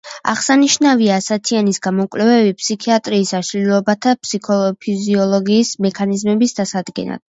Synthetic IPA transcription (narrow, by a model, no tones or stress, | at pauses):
a̰ʁsaniʃnaviaːsat̪ʰianisɡamɔkʼvlɛvɛbipʰʼsikʰiat̪ʼɾiːsaʃlilɔbat̪ʰapsikʰɔpʰiziɔlˠɔɡiːsmɛkʰanizmɛbisd̪asad̪ɡɛ̰na̰d̪̥